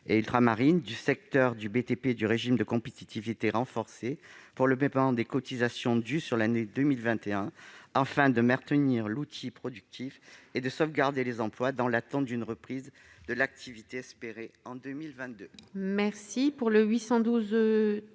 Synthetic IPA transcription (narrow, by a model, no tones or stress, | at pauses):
eilt̪ʁamaʁind̪ysɛk̚t̪œʁd̪ybet̪eped̪yʁeʒimd̪əkɔ̃pet̪it̪ivit̪eʁɑ̃fɔʁsepuʁləpɛpmɑ̃d̪ekɔt̪izasjɔ̃d̪ysyʁlaned̪ømilvɛ̃t̪eɛ̃afɛ̃d̪əmɛ̃t̪əniʁlut̪ʰipχɔd̪yk̚t̪ʰifed̪əsɔvɡaʁd̪elezɑ̃plwad̪ɑ̃lat̪ɑ̃t̪d̪ynʁəpχiz | d̪əlak̚t̪ʰivit̪eɛspeʁeɑ̃d̪ømilvɛ̃t̪̚d̪ømɛʁsipuʁləɥisɑ̃d̪uz